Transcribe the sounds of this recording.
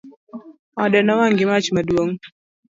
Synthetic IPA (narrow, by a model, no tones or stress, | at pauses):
ɔdɛnɔwaŋɡɪmat͡ʃmadwoŋ